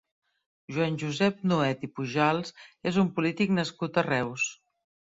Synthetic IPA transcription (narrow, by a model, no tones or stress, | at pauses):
ʒwanʲʒuzɛp̚nuɛt̪ipuʒalˠzezumpulit̪iknəskut̪ərɛws